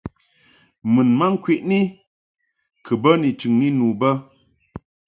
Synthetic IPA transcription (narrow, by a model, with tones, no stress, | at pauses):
mɨ˨nma˦ŋ̩˦kwi˦˨ʔni˦ | kʰə˨bə˦ni˨t͡ʃʉ˨ŋni˦nu˨bə˦